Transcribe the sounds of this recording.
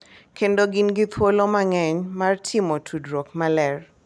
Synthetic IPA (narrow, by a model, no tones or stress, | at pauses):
kʰendoɡɪnɡit̪ʰwolomaŋɛɲmartʰimotʰudɾokmalɛr